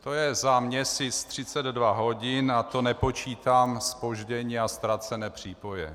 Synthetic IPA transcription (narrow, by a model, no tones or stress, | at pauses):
t̪o̞jɛzamɲɛsɪst̪r̝̥ɪt͡sɛd̪dvaɦo̞ɟɪnat̪o̞nɛpo̞t͡ʃiːt̪aːmspo̞ʒɟɛɲiːast̪ɾat͡sɛnɛːpr̝̥iːpo̞jɛ̰